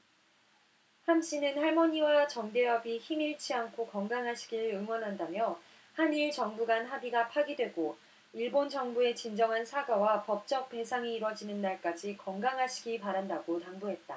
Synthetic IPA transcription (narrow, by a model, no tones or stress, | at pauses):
hamɕ͈ʰinɯnhaɭmʌɲiwat͡ɕʌŋde̞jʌbiçimiɭt͡ɕʰiankʰokʌŋɡaŋɦaɕʰi̥ɡiɾɯɾɯŋwʌnɦandamjʌ | haniɭt͡ɕʌŋbuɡanɦabiɡapʰaɡidwe̞ɡo | iɭbont͡ɕʌŋbue̞t͡ɕind͡ʑʌŋɦansʰaɡawapʌp̚t͡ɕ͈ʌk̚p͈e̞sʰaŋiːɾwʌd͡ʑinɯnːaɭk͈ad͡ʑikʌŋɡaŋɦaɕʰi̥ɡipaɾandaɡotaŋbuɦe̞t̚t͈a